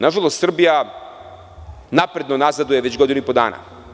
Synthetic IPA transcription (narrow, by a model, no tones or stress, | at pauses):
naʒalˠost̪sr̩bija | napɾe̞d̪nonazad̪ujeʋe̞t͡ɕɡo̞d̪inuipo̞d̪a̰ːna̰